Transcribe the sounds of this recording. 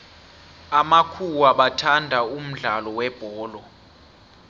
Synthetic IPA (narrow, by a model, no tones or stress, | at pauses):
amakʰuwaɓatʰandʱaum̩ɮalɔwɛb̥ʱɔːlɔ